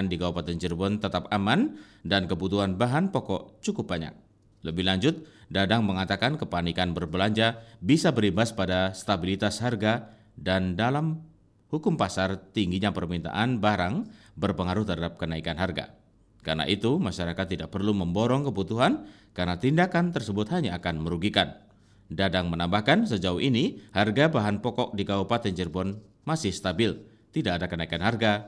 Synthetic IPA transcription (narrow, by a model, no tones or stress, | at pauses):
ndiɡawapat̪ɛnd͡ʒərbɔnt̪ət̪ap̚aman | dankəbut̪uɦanbaɦanpɔkɔ̰ʔt͡ʃukʊp̚baɲa̰k̚ | ləbɪhlaɲd͡ʒʊt̪̚dadaŋməŋat̪akankəpanikanbərbəlaɲd͡ʒabisabərimbaspadast̪abilit̪asharɡa | dandalam | hukʊmpasart̪iŋɡiɲapərmint̪a̰ʔanbaɾaŋ | bərpəŋaɾʊht̪ərɦadap̚kənaikanɦarɡa̰ | ka̰rna̰ʔit̪umaʃaɾakat̪ːidaʔ̚pərluməmbɔɾɔŋkəbut̪uɦankarnat̪indakant̪ərsəbʊt̪haɲaːkanməɾuɡikan | dadaŋmənambahkans̬əd͡ʒauɦiniharɡabaɦanpɔkɔk̚dikaupat̪ɛɲd͡ʒərbɔn | masɪhst̪abɪl | t̪idaʔadakənaikanɦarɡa